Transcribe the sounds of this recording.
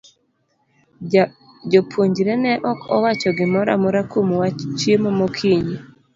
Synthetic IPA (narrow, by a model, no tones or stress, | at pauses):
d͡ʒopʰoɲd͡ʒɾɛnɛʔɔkʰɔ̰wat͡ʃɔɡɪmɔɾa̰mɔɾakomwat͡ʃjemomokʰiɲi